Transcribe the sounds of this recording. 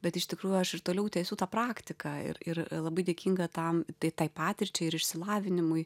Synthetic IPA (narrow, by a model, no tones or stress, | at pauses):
bʲɛt̪ɪʃt̪ʲɪkɾuːjuɐʃɪɾt̪oːlʲɛʊt̪ʲɛːsʲuːt̪ɑːpɾɑːkt̪ʲɪkɑːɪ̰ɾɪrlˠɐbɐɪd̪ʲeːkʲiːŋɡɐt̪ɐmt̪ɐɪt̪ɐɪpɑːt̪ʲɪɾʲt͡ʃʲɛɪɪɾɪʃʲsʲɪlˠɑːʋʲɪnʲɪmʊɪ